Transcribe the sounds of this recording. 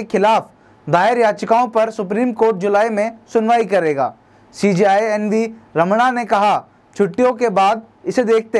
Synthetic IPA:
exɪlaːf | d̪aːɪɾjaːt͡ʃkaːõpɐɾsʊpɾiːmkoːɾʈ̚d͡ʒʊlaːimẽsʊnʋaːikɐɾeːɡa̰ː | siːd͡ʒiaːjɛnʋiɾɐmɽ̃anekɐɦa | t͡ʃʰʊʈːijõkebaːd̪̚ | ɪsed̪eːk̚ʰt̪e

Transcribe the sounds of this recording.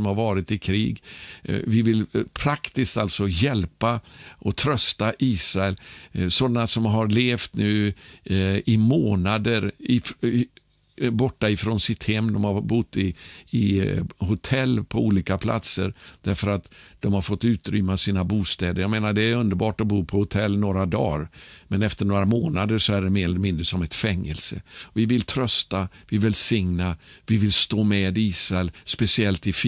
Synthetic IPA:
mhaɾvɑːɾɪt̪ɪkʰɾiːɡ | vɪvɪlpʰɾakt̪ɪst̪alt̪sɔjɛlpaʔɔt̪ʰɾœst̪aʔiːsɾaɛlsɔnːasɔmɦaɾleːft̪nʉ̟ː | ɪmoːnad̪əɾɪ | bɔʈːaɪfɾɔnsɪt̪hɛmːd̪ɔmhabʊt̪ːɪː | ɦʊt̪ʰɛlːpʰɔuːliːkapʰla̰t̪səɾd̪̥æɾfəɾat̪d̪ɔmhaɾfɔt̪ːʉ̟ːt̪ɾʏmːasiːnabuːst̪ɛːd̪əjɑɡmeːnaɖɛæɾɵnd̪əɾbɑːʈɔbuːpʰɔhʊt̪ʰɛlːnoːɾad̪ɑ̰ːɾmɛnɛft̪əɳoːɾamoːnad̪əʂɔæɖɛmeːɾɛllɛmɪnd̪ɾəsɔmɛt̪fɛŋːə̰lsə̰vɪvɪlt̪ʰɾœst̪avɪvɛlsɪŋnavɪvɪlst̪oːmɛd̪iːsɾaɛlspɛsɪɛlt̪ɪf

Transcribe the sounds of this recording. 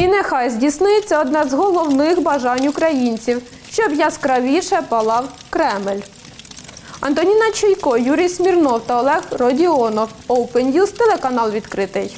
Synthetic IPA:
inexɑjzdʲisnɪjɪt͡sʲːɛɔd̪nɛzɦɔlˠɔwnɪxbɐʒɑnʲukɾɐjinʲt͡sʲiw | ʃt͡ʃɔbjɑskɾɐʋʲiʃɛpɐlˠɑw | kɾɛmɪlʲ | ɐnt̪ɔnʲinɐt͡ʃujkɔjuɾʲijsmʲirnɔwt̪ɐɔlˠɛxrɔdʲiɔnɔwɔwpenʲjust̪elˠekɐnɑlˠʋʲid̪kɾɪt̪ɪj

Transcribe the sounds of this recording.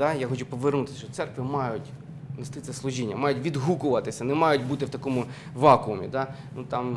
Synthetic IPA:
ɑjaxɔt͡ʃʊpɔʋernut̪ɪ̥st͡ʃɔt̪sɛrkʋʲimɑjʊtʲ | mɪst̪ɪt̪sɛslˠʊʒʲinʲːɐmɑjʊtʲʋʲid̪ɦukʊʋɐt̪ɪsʲɐnɛmɑjʊtʲbut̪ɪwt̪ɐkɔmʊ | ʋɑkʊʊmʲḭd̪ɑ | nut̪ɑm

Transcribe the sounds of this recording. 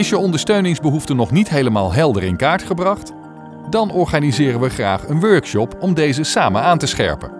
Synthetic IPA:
ɪsjəɔndəɹstøɥnɪŋzbəɦuftənɔχnitɦejləmaːlˠɦɛlˠdərɪ̰nkaːɹtχəbrɑχt | dɑnɔɹχaːnizɪːrənʋəχra̰ːχənʋøɹkʃɔpɔmdejzəsaːmənaːntəsχɛ̰ɹpə̰n

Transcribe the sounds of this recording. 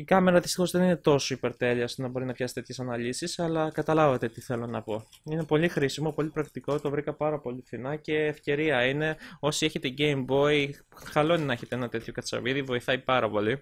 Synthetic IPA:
ikɐme̞ɾɐðist̪ixo̞zðe̞nine̞t̪o̞so̞ipe̞ɾt̪e̞ʎiɐost̪onɐbo̞ɾinɐpçɐsi̥t̪e̞t̪çesɐnɐlisisɐlɐkɐt̪ɐlɐvɐt̪e̞t̪iθe̞lo̞nɐpo̞ine̞po̞lixɾisimo̞po̞lipɾɐkt̪iko̞t̪o̞vɾikɐpɐɾɐpo̞liθinɐce̞ːfce̞ɾiɐine̞o̞sieçet̪eɟejmbo̞i | xɐlo̞ninɐeçe̞t̪ee̞nɐt̪e̞t̪ço̞kɐt͡sɐ̰viðivo̞iθɐipɐɾɐpo̞li

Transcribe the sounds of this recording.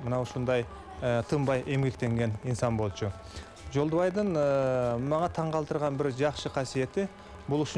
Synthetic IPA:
mənɑwʃʊnd̪ɑj | ət̪ʰəmbɑjʔe̞mɡʲe̞kt̪e̞ŋɡʲe̞ninsɑnbo̞lˠʃə | ʒo̞lˠd̪əβɑjd̪əɴəmɑɴɑt̪ʰɑɴqɑlˠt̪əɾʁɑnbɪɾʒɑqʃəqʰɑsije̞t̪ɪ | bʊlˠʏʃɪ

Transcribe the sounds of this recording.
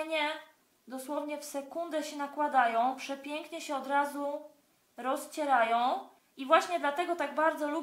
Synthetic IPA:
ɲɛ | d̪ɔswɔvɲɛfsɛkund̪ɛɕɛnakwad̪ajɔ̃w̃pʂɛpʲjɛŋkɲɛɕɛɔd̪ɾazu | ɾɔst͡ɕɛɾajɔ̃w̃ | ivwaɕɲɛd̪lat̪ɛɡɔt̪aɡbaɾd̪zɔlu

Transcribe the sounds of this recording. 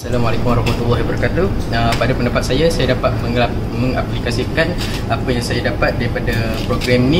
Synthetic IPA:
salamalɛkumwaɾɑhmat̪ulːaɦibəɾkat̪uəpadapəndapat̪̚sajasajadapat̪̚mə̃ŋla | mə̃ŋaplikasikan | apəjaŋsajadapat̪̚daɾipada | pɾoɡɾɛminĩ

